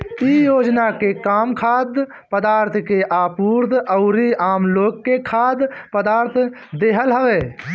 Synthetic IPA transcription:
ijoːd͡ʒnakekaːmkʰaːd̪ | pəd̪aːɾt̪ʰkeʔaːpuːɾd̪əʊɾiaːmloːɡːekʰaːd̪pəd̪aːɾt̪ʰ | d̪eːɦəlɦəʋeː

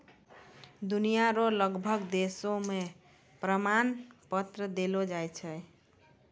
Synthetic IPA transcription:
d̪unijaɾoləɡbʱəɡd̪esome | pɾəmanpət̪ɾəd̪elod͡ʒajt͡ʃʰəj

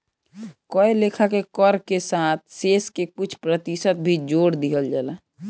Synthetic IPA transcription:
kɔelekʰakekəɾkesaːt̪̚ʰseːskekʊt͡ʃʰpɾət̪isət̪̚bʱid͡ʒoːɽd̪iɦəld͡ʒaːla

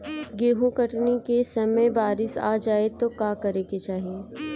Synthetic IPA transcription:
ɡeːɦũkɐʈnikesɐməjbaːɾɪsa̰ːd͡ʒaːet̪okaːkɐɾeket͡ʃaːɦieː

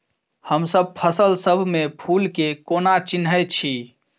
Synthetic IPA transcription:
həmsəb̚pʰəsəlsəbʱmepʰulkekonat͡ʃinɦəjt͡ʃʰi

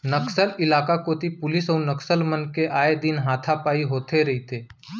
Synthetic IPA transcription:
nɐksəlɪlaːkakoːt̪ipʊlɪsɔːɾnɐksəlmənkeʔaːed̪ɪnɦaːt̪ʰapaːiɦoːt̪ʰeɾɐɦit̪ʰeː

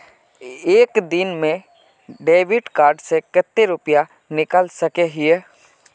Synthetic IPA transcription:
eːkd̪ɪnmẽ | ɖeːʋɪɖkaːɾɖsekət̪ːeɾʊpija | nɪkəlsəkeɦɪeː

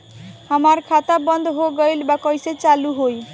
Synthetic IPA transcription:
amaɾkʰat̪abɔnd̪ʱɦoɡɔjlbakɔjset͡ʃaluɦoj

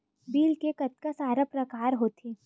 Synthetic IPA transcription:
biːlkekɐt̪̚kasaːɾapɾɐkaːɾɦoːt̪ʰeː

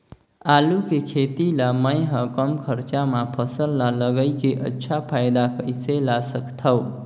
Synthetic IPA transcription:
alukekʰet̪ilaməjɦʌkəmkʰəɾt͡ʃamapʰəsəlːaləɡəjkeʔə̰tːʃʰapʰajd̪akəjselasəkt̪ʰəw

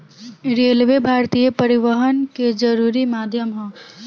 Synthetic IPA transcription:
ɾeːlʋebʱaːɾt̪ijəpəɾɪʋəɦənked͡ʒəɾuːɾimaːd̪ʱjəmɦə̃

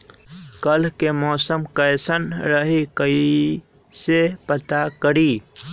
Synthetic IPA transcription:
kəlkemɔːsəmkəjsənɾəɦikəi | sepət̪akəɾi

